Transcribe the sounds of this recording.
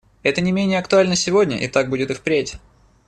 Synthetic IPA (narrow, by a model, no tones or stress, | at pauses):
ɛt̪ənʲɪmʲenʲɪjəɐkt̪ʊalʲnəsʲɪvo̞dʲnʲə̰ʔɪ̰t̪aɡ̚budʲɪt̪ɨxpɾʲetʲ